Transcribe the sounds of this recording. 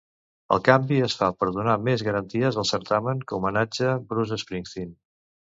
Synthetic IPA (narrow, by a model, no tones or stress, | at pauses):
ə̰lˠkambiəsfapəɾðunamezɣəɾənt̪iəzəlˠsəɾt̪aməŋkəumənad͡ʒəbɾuzəspɾiŋθin